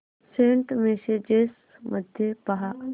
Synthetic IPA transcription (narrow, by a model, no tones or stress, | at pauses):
seɳʈmesed͡ʒes | mʔəd̪ʱjepɐɦa